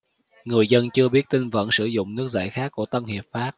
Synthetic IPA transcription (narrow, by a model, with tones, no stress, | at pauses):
ŋɨ˨˩əjzə˧nt͡ɕɨ˧əɓi˦˥ət̚t̪i˧ŋvə̰˧˥nsɨ˧˩zʊ̰˧˨ŋ͡mnɨ˦˥ək̚za̰ː˧˩jxaː˦˥kːu˧˩ət̪ə˧nhi˨˩əp̚faː˦˥t̚